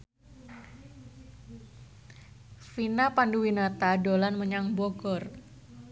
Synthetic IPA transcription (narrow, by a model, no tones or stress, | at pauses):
finapanduwinat̪adolanməɲaŋbɔɡɔr